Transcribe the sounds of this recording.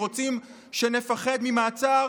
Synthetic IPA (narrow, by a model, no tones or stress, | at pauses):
o̞t͡sim | ʃe̞ne̞faχe̞d̪mimaːt͡sa